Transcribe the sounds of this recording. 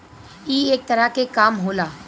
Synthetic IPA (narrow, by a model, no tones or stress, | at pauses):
iːeːk̚t̪əɾakekaːmɦoːlaː